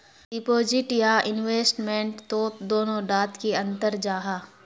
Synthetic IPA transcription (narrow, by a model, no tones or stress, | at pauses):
ɖɪpoːd͡ʒɪʈjaːʔɪnweːsʈmẽɳʈt̪oːp̚d̪oːnõɖaːt̪kiɐ̃nt̪əɾd͡ʒaːɦaː